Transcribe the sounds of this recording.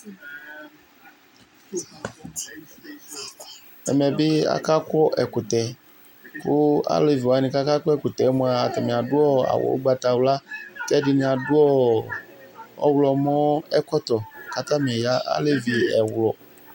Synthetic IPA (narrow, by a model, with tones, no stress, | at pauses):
ɛ̰˨mɛ˨be˦a̰˦ka˦kɔ˦ʔɛ˨ku˨t̪ɛ˨ | ko˦a̰˦le˨vi˨wa˨nĩ˨ka˦ka˦kɔ˦ɛ˦˨ku˨t̪ɛ˨˦mɔ̃˦a˨a˨t̪ɛ˨mĩ˨a˨dʊ˦ɔ˦a̰˨wɔ̰˨wo̰˦ɡ͡ba˨t̪a˨wla˦t̪ɛ˦di˦nĩ˨a˨dʊ˦ɔ˦ | ɔ̰˦wlɔ˨mɔ̃˦ɛ˦kɔ˦t̪ɔ˨ka˦t̪a˦mĩ˨e˨ja˦ʔa̰˦le˦vi˨ɛ˨wlɔ˨